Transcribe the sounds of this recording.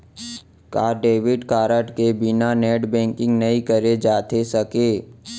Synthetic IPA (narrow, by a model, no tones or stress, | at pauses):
kaːɖeːʋɪɖkaːɾəʈkebɪnaneːɖbɛ̃ːŋkɪ̃ŋɡnɐikəɾed͡ʒaːt̪esɐkeː